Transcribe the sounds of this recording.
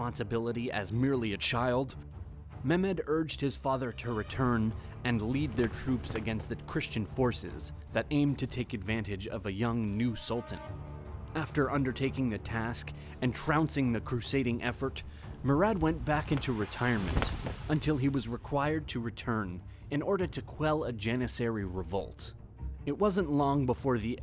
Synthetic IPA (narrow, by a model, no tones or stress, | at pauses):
ɑ̃nsɨbɪlˠəɾiɨ̰zmɪɹlˠiɨt͡ʃʰaɪlˠd | mɛmɨɾɜ˞d͡ʒd̚hɨz̥fɑðə˞ɾɨɹɨtʰɜ̃˞n | ɨ̃nlid̪̚ðə˞tʰɹ̥ʉpsɨɡɛ̃nst̪̚ðɨkʰɹ̥ɪst͡ʃɨ̃nfɔɹsɪ̰z | ðɨɾʔẽɪ̃mtʰɨtʰeɪkɨdvæ̃ntɨd͡ʒʌ̰vɨjʌ̃ŋnʉsʌlˠtn̩ | æftə˞ʔʌ̃ndə˞tʰeɪkɪ̃ŋðɨtʰæsk | ɨ̃ntʰɹ̥ãʊ̃nsɪ̃ŋðɨkʰɹ̥ʉseɪɾɪ̃ŋʔɛfə˞t | mə˞æd̚wɛ̃nb̥ækɪ̃ntʉɹɨtʰaɪə˞mɨ̰̃ntə̃ntʰɪlˠiwʌzɹɨkʰw̥aɪə˞d̚tʰɨɹɨtʰɜ̃˞n | ɨ̃nɔɹɾə˞ɾɨkʰw̥ɛlˠəd͡ʒɛnɨsɛɹiɹɨvɔ̰lˠt | ɨt̚wʌzə̃nʔlɔ̃ŋbəfɔɹði